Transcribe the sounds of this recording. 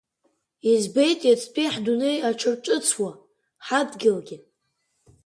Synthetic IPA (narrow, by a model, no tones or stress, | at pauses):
izbejtʼjat͡sʼʰpʰiħdunejaʈ͡ʂʷʰɨrʈ͡ʂʼɨt͡sʰwa | ħadɡʲɪlɡʲɪ